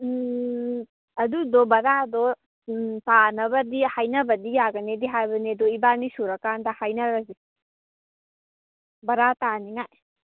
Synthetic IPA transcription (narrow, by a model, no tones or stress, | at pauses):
ɐdudɔbɐɾadɔ | tanɐbɐdihajnɐbɐdijaɡɐnediɦajbɐnedɔibanisuɾɐkandɐhajnɐɾɐzi | bɐɾataniŋaj